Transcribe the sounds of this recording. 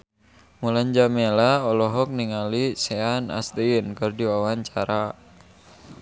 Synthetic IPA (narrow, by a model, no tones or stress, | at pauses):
mulaɲd͡ʒamelaɔlɔɦɔk̚niŋalisɛana̰st̪einkɨrdiwawaɲt͡ʃaɾa